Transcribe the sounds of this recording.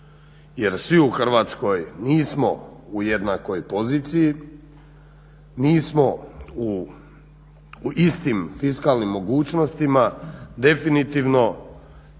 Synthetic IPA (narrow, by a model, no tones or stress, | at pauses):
je̞ɾsʋiuxr̩ʋaːt̪sko̞jniːsmo̞uje̞d̪nako̞jpo̞ziːt̪siji | niːsmou | ist̪imfiskalˠnimːo̞ɡuːt͡ʃno̞st̪imad̪e̞finit̪iʋno̞